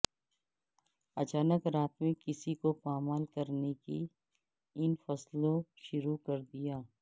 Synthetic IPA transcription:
ɐt͡ʃaːnəkɾaːt̪mẽkɪsikopaːmaːlkɐɾneki | ɪnfɐslõʃʊɾukɐɾd̪ijaː

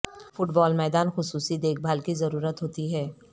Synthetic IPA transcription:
fʊʈbɔːlmɛːd̪aːnxʊsuːsid̪eːk̚ʰbʱaːlkizɐɾuːɾət̪ɦoːt̪iɦɛː

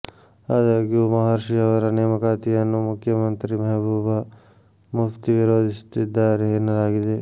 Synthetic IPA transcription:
aːd͡ʒaːɡiomɐɦaːɾʃiɐʋɐɾɐneːmɐkaːt̪iɐnːumʊkʰjɐmɐnt̪ɾimɐɦbʱuːbʱa | muft̪iʋiɾoːd̪ʱist̪id̪aːɾɦeːnɐɾaːɡid̪eː

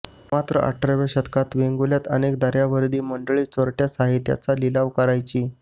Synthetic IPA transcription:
mat̪ɾəʔa̰ʈɾeʋeɕət̪kat̪ʋeŋɡuljat̪ənekd̪aɾjaʋəɾd̪iːməɳɖəɭiːt͡səɾʈjasaɦit̪ja̰t͡salilaʋkəɾajt͡ɕiː

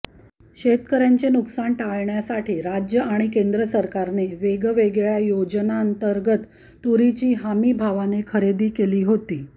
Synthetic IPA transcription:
ɕet̪kəɾjaɲt͡ɕenuksaɳʈaɭɳjasaʈʰiːɾad͡ʑjəaɽ̃ikend̪ɾəsəɾkaɾneʋeɡʋeɡɭjajod͡ʑənaənt̪əɾɡət̪ː | uɾit͡ɕiːɦamiːbʱaʋanekʰəɾed̪iːkeliːɦot̪iː

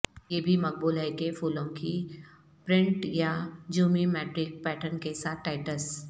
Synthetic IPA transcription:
jeːbʱimɐk̚buːlɦɛkefuːlõki | pɾɪ̃ɳʈjad͡ʒuːmimɛːʈɾɪk̚pɛːʈənkesaːt̪̚ʰʈaːɪʈəs

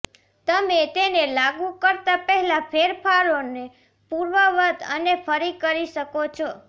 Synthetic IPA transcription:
t̪əmet̪enelaɡũkəɾt̪apɛɦɛlapʰeɾpʰaɾone | puɾʋəʋət̪ə̰nepʰəɾikəɾiʃəkot͡ʃʰɔ

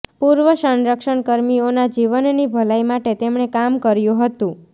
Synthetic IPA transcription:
puɾʋəsənɾəkʃəɳkəɾmionad͡ʒiʋənnibʱəlajmaʈet̪emɳekamkəɾjũɦət̪ũ

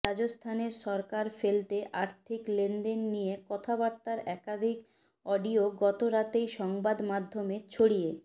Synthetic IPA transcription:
ad͡ʑost̪ʰaneɾʃɔɾkaɾfelt̪eʔaɾt̪ʰiklend̪enːijekɔt̪ʰabaɾt̪aɾɛkad̪ʱik | ɔɖioɡɔt̪oɾat̪ejʃɔŋbad̪mad̪ʱːomet͡ɕʰoɽije

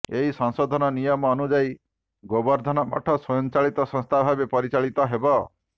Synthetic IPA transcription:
eɦisɔ̃ŋsɔd̪ʱɔnɔnijɔmɔːnud͡ʒai | ɡɔbɔɾd̪ʱɔnɔmɔ̰ʈʰɔsɔjɔnt͡ʃaɭit̪ɔsɔ̃st̪ʰabʱabepɔɾit͡ʃaɭit̪ɔɦebɔ

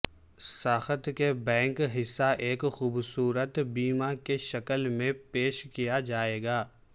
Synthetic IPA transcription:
saːxət̪kebɛ̃ːŋkɦɪsːaʔeːkxuːbsuːɾət̪biːmakeʃɐkəlmẽpeːʃkijad͡ʒaːeːɡaː

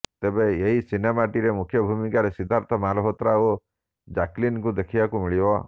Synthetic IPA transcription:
t̪ebeeɦisinemaʈiɾemukʰjɔbʱumikaɾesid̪ʱaɾt̪ʰɔmalɔɦɔt̪ɾao | d͡ʒaklinkud̪ekʰibakumiɭibɔ

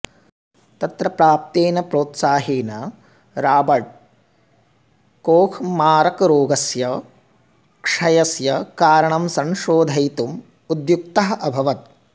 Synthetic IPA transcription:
t̪ɐt̪ɾɐpɾaːp̚t̪eːnɐpɾoːt̪saːɦiːnɐ | ɾaːbɐɖ̚ | koːkʰmaːɾɐkɾoːɡɐsjɐ | kʂɐjɐsjɐkaːɾɐɳɐmsɐ̃ŋʃoːd̪ʱɐjt̪um | ud̪juk̚t̪ɐɦɐʔɐbʱɐʋɐt̪̚

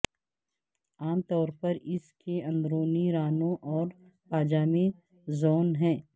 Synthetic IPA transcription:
aːmt̪ɔːɾpɐɾɪskeɐ̃nd̪ɾoːniɾaːnõʔɔːɾ | paːd͡ʒaːmẽ | zoːnɦɛ̃ː

